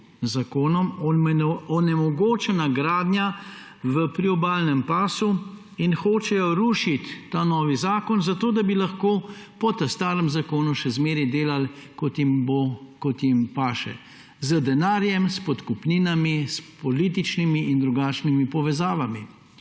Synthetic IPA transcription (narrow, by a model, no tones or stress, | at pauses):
zakoːnɔm | ɔnɛmɔɡoːt͡ʃɛnaɡɾaːd̪nʲja | ʋəpɾiɔbaːlnɛmpaːsu | inxoːt͡ʃɛjɔɾuːʃit̪ːaːnɔːʋizaːkɔnzat̪oːd̪abilaxkoːpɔt̪ɐst̪aːɾəmzakoːnuʃɛzmeːɾɛd̪eːlalkɔt̪imbokɔt̪jimpaːʃɛ̰ | zəd̪ɛnaːɾjɛmspɔt̪kupniːnamispɔliːt̪̬it͡ʃnimiːnd̪ɾuɡaːt͡ʃnimipɔʋɛzaːʋami